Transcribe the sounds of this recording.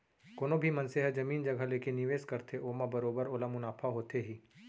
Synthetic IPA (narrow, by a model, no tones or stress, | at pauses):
koːnobʱimɐ̃nseɦɛd͡ʒɐmiːnd͡ʒɐɡʱalekenɪʋeːskɐɾt̪ʰeʔoːmabɐɾoːbəɾolamʊnaːpʰaɦoːt̪eɦiː